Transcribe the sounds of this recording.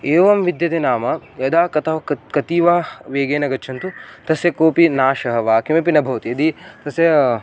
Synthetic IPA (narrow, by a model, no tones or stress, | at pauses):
eːʋɐmʋid̪jɐt̪enaːmɐjɐd̪aːkɐt̪ʰɐʋɐkɐt̪iːʋaːʋeːɡeːnɐɡɐt͡ʃʰɐnt̪ut̪ɐsjɐkoːpinaːʃɐɦɐʋaːkimepinɐbʱɐʋɐt̪iɐd̪it̪ɐsjɐ